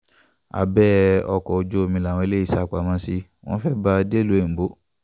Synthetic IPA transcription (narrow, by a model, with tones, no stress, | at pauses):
a̰˨bɛː˦ɔ˧kɔ˨o˧d͡ʒo˦˧mĩ˧la˨w̃ɔ̃˧e˧le˦i˦˨sa˧˦˨k͡pa˨mã˧˦si˧˦ | w̃ɔ̃˦fɛ˦ba˧de˦lu˨˦e˨m̩˨bo˨˦